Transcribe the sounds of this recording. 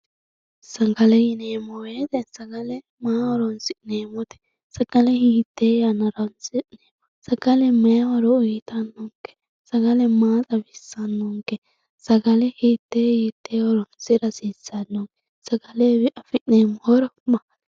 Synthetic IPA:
sɐŋɡɐlɛjɪneːmɔweːt̪ɛsɐɡɐlɛ | maːwɔɾɔnsɪneːmɔt̪ɛ̥ | sɐɡ̥ɐlɛhiːt̪ːeːjanːɐɾɐnsɪneːmɔsɐɡɐlɛmɐjawɐɾɔʊjɪt̪ɐnːɔŋkːɛ̥ | sɐɡɐlɛmaːtʼɐbɪsːɐnːɔŋkɛ | sɐɡɐlɛhiːt̪ːejit̪ːeːwɔɾɔnsɪɾɐsisɐnːɔŋkɛ | sɐɡɐlɛbʔɐfɪneːmɔhɔɾɔmɐ

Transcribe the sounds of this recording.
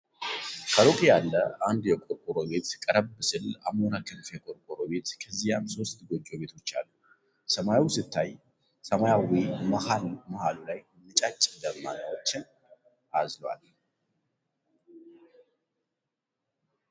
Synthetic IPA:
kʰəɾokʼijalːəand̪jɛkʼoɾkʼuɾo̞be̞t̪kʼəɾəbːɨsɨla̰monakʰɨnfjɛkʼoɾkʼuɾo̞be̞t̪kʰəzːijamso̞st̪ɡo̞d͡ʒːo̞βe̞t̪ʰo̞t͡ʃːa̰lːu | səmajawsɨt̪ʰːaj | səmajawimahalmɐhalulaj | mɨt͡ʃʼat͡ʃʼːd̪əmːa̰nəwot͡ʃːɪn | ʔazlwa̰l

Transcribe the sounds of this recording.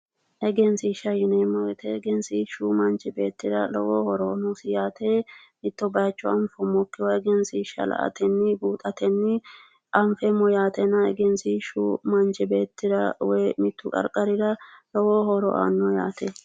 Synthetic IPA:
ʔɛɡɛnsɪʃɐjɪnemɔɡɛt̪ʰɛɡɛnsiʃuːmɐnd͡ʒɛbe̞̰ːt̪ːɪɾɐ̰lɔwoːhɔɾɔːnʊsɪjaːt̪ʰeː | mɪt̪ːɔbɐjt͡ʃːɔɐɱfɔmɔkːɪwɔɛɡɛnsɪʃɐ̰lɐ̰ʔɐ̰t̪ʰɛnːɪbuːt̪ʼɐt̪ʰɛnːɪ | ʔɐɱfɛmːɔjaːt̪ɛnɐɛ̰ɡɛnsiʃuːmɐnd͡ʒɪbeːt̪ːɪɾɐwɛjmɪt̪ːʊkʼɐ̰ɾkʼɐɾɪɾɐlɔwoːhɔɾɔ̰ʔa̰nːɔja̰ːt̪ʰɛ

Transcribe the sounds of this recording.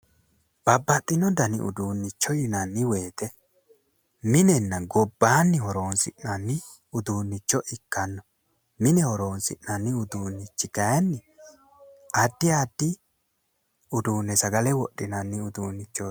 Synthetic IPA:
b̥ɐbːɐt̪ʼːɪnːɔd̪ɐnɪ̰ʔʊ̰d̪uːnːɪt͡ʃːɔjɪnɐnːɪweːt̪ɛ | mɪnɛnːɐɡɔbːaːnːɪhɔɾo̞ːnsɪʔnɐnːɪ | ʊd̪uːnːɪt͡ʃːɔʔɪkːɐnːɔ | mɪnɛhɔɾo̞ːnsɪ̰ʔnɐnːɪʊd̪uːnːɪt͡ʃːɪɡ̥ɐjɐnːɪ | ɐd̪ːɪad̪ːɪ | ʊd̪uːnːɛsɐɡɐlɛwɔɗːɪnɐnːɪʊd̪uːnːɪt͡ʃːo

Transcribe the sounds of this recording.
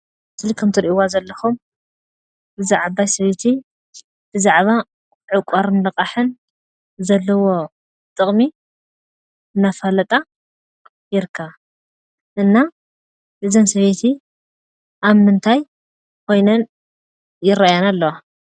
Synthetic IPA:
t̪ʰɨlikʰɐmt̪ʰɨɾʔiwazɐlːɐxum | bɨzaʕaβajsɐβet̪ʰi | b̥ɨzaʕβa | ʕɨkʷʼaɾɨnlɐkʼaħɨn | zɐlːɐwo̞ | t̪ʼɨχʼmi | ɨnːafalɐt̪ʼa | jɪɾɨkʰːɐβa | ʔɨnːa | ɨzɐnsɐβet̪ʰi | ʔaβmɨnt̪ʰaj | kʰo̞jnɐn | jɪɾajanalːɐwa

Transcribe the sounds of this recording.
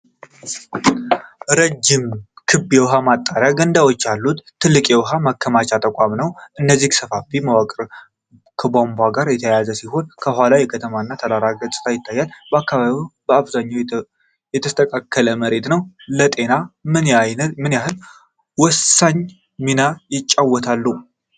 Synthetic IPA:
ɾəd͡ʒːɪmkʰɨbːjɛwɦamat̪ʼːaɾjaɡənd̪awo̞t͡ʃːalːut̪ʰːɨlːɨkʼjɛwɦamakʰːəmat͡ʃat̪ʼəkʼamnəwʔɨnːəzːihsəfafimawakʼɾ | kʰəbombʷaɡaɾjɛt̪ʰəjazəsiho̞nkʰəɦʷalajɛkʰət̪ʰəmaɨnːat̪ʰəlaɾaɡət͡ʃʼɨ̥t̪ʰajɪt̪ʰːajːalbəakːaβaβibəaβzaɲːaw | jɛt̪ʰəst̪ʰəkʼakʰːələməɾe̞t̪nəwlət̪ʼe̞namɨnmɨnjaɦɨl | wɔsːaɲ | minajɪt͡ʃʼːawːɔt̪ʰalːu

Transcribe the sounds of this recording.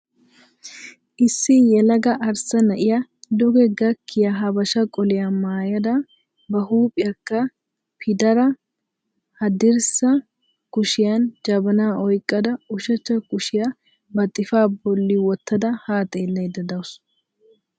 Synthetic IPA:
ʔɪsːɪjɛlɐɡɐʔɐɾsɐnɐʔɪjɐd̪ɔɡɛɡɐkʰːɪjɐɦɐbɐʃɐkʼɔlɛjɐmaːjɐd̪ɐ | bɐɦuːpʼɪjɐkːɐ | pʰɪd̪ɐɾɐ | hɐd̪ɪɾsɐ | kʊʃɪjɐnd͡ʒɐbɐnaːʔɔjkʼːɐd̪ɐʊʃɐt͡ʃːɐkʊʃɪjɐ | bɐt̪ʼːɪfaːbɔlːɪwɔt̪ːɐd̪ɐhaːt̪ʼeːlːɐjd̪ɐd̪ɐwʊs

